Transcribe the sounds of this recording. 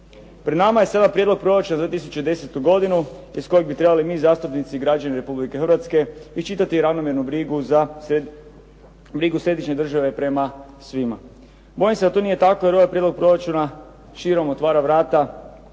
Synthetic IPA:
pɾe̞d̪namaje̞sad̪anpɾjed̪lo̞ɡ̚pɾo̞ɾat͡ʃund̪at̪is̬u̥t͡ʃed̪e̞set̪uɡo̞d̪inuisko̞jeɡ̚bit̪ɾe̞balimiːzaːst̪upnit̪siɡɾad͡ʒaniɾe̞publikexrɾʋat̪ske̞it͡ʃit̪at̪iɾaʋnomjeɾnubɾiɡuza | bɾiɡusɾe̞d̪iʃɲe̞d̪r̩ʒaʋe̞pɾe̞ma | sʋima̰ | bo̞jimse̞d̪at̪onije̞t̪akojeɾo̞ʋajpɾje̞d̪lo̞ɡ̚pɾo̞ɾat͡ʃuna | ʃiɾo̞mot̪ʋaːɾaʋɾaːt̪a

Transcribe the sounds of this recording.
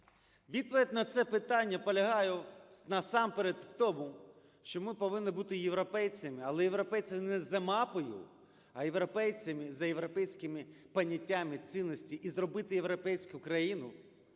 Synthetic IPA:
ʋʲid̪̚pɔʋʲid̪̚ʲnɐt̪sɛpɪt̪ɑnʲːɐpɔlʲɐɦɑjʊnɐsɑmpeɾed̪wt̪ɔmu | ʃt͡ʃɔmɪpɔʋɪnːɪbut̪ɪjeʋɾɔpɛjt͡sʲɐmɪɐlˠɛjeʋɾɔpɛjt͡sʲɐmɪnɛzɐmɑpɔjʊ̰ | ɐjeʋɾɔpɛjt͡sʲɐmɪzɐjeʋɾɔpɛjsʲkɪmɪpɐnʲːɐtʲːamɪsʲinːɔsʲtʲiʔizrɔbɪt̪ɪjeʋɾɔpɛjsʲkʊkɾɐjinʊ

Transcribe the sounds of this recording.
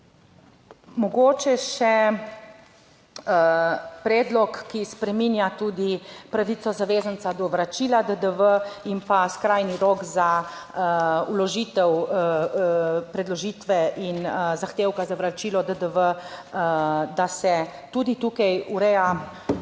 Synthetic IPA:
mɔɡoːt͡ʃɛʃɛ | pɾɛːd̪lɔkːispɾɛminjat̪uːd̪ipɾaʋit̪sɔzaʋeːzənt̪sad̪ɔʋɾat͡ʃilad̪əd̪əʋəimpaskɾajniɾoɡza | ulɔʒit̪ɛw | pɾɛd̪lɔʒiːt̪ʋɛʔinzaxt̪eːwkazaʋɾat͡ʃiːlɔd̪əd̪əʋə | d̪asɛt̪uːd̪it̪uːkajuɾɛja

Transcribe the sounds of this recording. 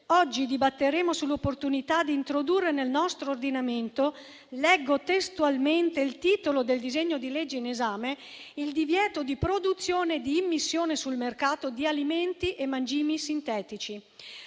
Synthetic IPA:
ɔd͡ʒːid̪ibat̪ːeɾeːmosulːopːort̪unit̪ad̪iːnt̪ɾod̪urːenelnɔst̪ɾoːrd̪inament̪o | lɛɡːot̪est̪ualment̪eilt̪iːt̪olod̪eld̪izeɲːod̪iled͡ʒːeinezaːme | ild̪ivjɛːt̪od̪ipɾod̪ut̪sːjoːned̪iːmːisːjoːnesulmerkaːt̪od̪ialiment̪iʔemːand͡ʒiːmisint̪ɛːt̪it͡ʃi

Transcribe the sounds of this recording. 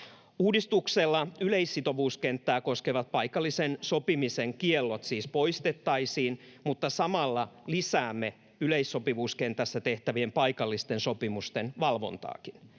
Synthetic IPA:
uːdist̪ukselːɑyleisːit̪oʋuːskent̪ːæːko̞skeʋɑt̪̚pɑikɑlːˑisensopimiseŋkielːot̪siːspo̞ist̪et̪ːɑisiːnmut̪ːɑsɑmɑlːɑlisæːmːe | yleisːo̞piʋuːskent̪æsːæt̪eht̪æʋiempɑikɑlːist̪ensopimust̪enʋɑlʋo̞̰nt̪ɑ̰ːkin

